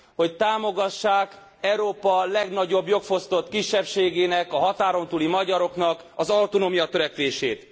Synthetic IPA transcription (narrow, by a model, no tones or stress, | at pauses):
ho̞ct̪aːmo̞ɡɒʃːaːk | ɛwɾoːpɒlɛɡnɒɟo̞bjo̞kfo̞st̪o̞t̪kiʃːɛpʃeːɡeːnɛkɒɦɒt̪aːɾo̞nt̪uːlimɒɟɒɾo̞knɒk | ɒzɒlt̪onoːmijɒt̪ø̞ɾɛkʋeːʃeːt̪